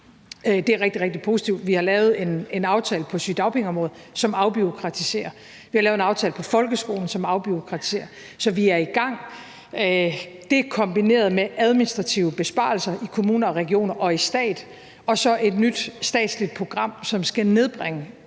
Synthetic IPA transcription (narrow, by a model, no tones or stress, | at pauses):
d̥e̝æɐʁɛɡ̥̚d̥iʁɛɡ̥̚d̥ipʰo̝ːsi̥t͡sʰiʊd̥ʋihɑ̈lɛːʊð̞̩ˠe̝ne̝nɑ̈ʊt͡sʰɛ̰ːləpʰɒ̽syd̥ɑ̈ʊpʰe̝ŋɒmʁɔ̽ːð̩ˠsɒ̽mɑ̈ʊb̥yʁokʰʁɑ̈t͡sʰise̝̰ːɐ | ʋihɑlɛːʊenɑ̈ʊt͡sʰɛ̰ːləpʰɒ̽fɒ̽lɡ̥əsɡ̥o̝̰ːln̩sɒ̽mɑ̈ʊb̥yʁokʰʁɑ̈t͡sʰi̥se̝̰ːɐ | sɒ̽ʋiæɐiɡ̥ɑ̈ŋ̰ | d̥e̝kʰɒ̽mb̥ine̝̰ːɐð̞ˠmeæð̞ˠminisd̥ʁɑ̈t͡sʰiʊəb̥e̝sb̥ɑ̰̈lsɐʔikʰo̝muːnɐɒ̽ʁɛɡ̥io̝̰ːnɐʔɒ̽isd̥ɛ̰ːd̥ | ɒ̽sɒ̽ʔe̝d̥nyd̥sd̥ɛ̰ːd̥slid̥̚pʰʁo̝ɡ̥ʁɑ̈m̰sɒ̽msɡ̥æne̝ð̞ˠb̥ʁɛŋə